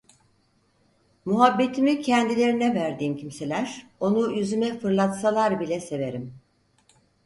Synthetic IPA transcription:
muɦabːe̞t̪ʰimicʰɛnd̪ilʲe̞ɾinɛvæɾd̪iːmcʰimse̞lʲæɾ̥o̞nuyzymɛfɯɾlˠat̪salˠaɾbilʲɛse̞ve̞ɾim

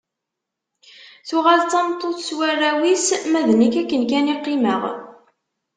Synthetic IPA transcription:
θʊʁalt͡sːɑmt̪ˤːoθswærːæwismæðnikækːənkæniqːɪməʁ

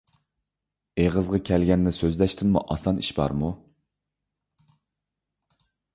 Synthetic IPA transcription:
eʁəzʁɑkʲʰɛlɡʲɛnːɪsøzlɛʃt̪ʰɪnmṵʔɑsɑnḭʃbɑ̰ɾmu

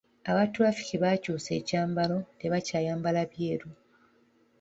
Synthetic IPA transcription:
aβatwafi̥ceβaːcuːse̞̰ːcaːmbalo̞ne̞βacaːjaːmbalaβje̞ːɾu

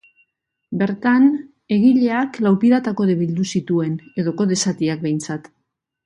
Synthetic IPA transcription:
be̞ɾt̪an | e̞ɣiʎe̞aklawpiðat̪ako̞ðeβ̞ild̪usit̪ue̞ne̞ðo̞ko̞ðe̞sat̪iak̚be̞jnt͡sat̪

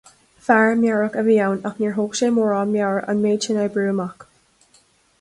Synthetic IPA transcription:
faɹmjaɹəkəvijawnakniɹɦoːkʃeːmɔːɹɑːmjawɹə̰nmeːt͡ʃɪnajbɹuːmak

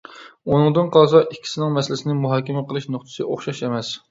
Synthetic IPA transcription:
unɨŋd̪ɨnqʰɑlˠsɑʔikʲʰːi̥sɪnɪŋmɛsɪlɪsɪnɪmuɦɑːkʲɛmɛqəlˠɨʃnoχt̪ʰɨ̥sɨʔoχʃɑʃemɛs

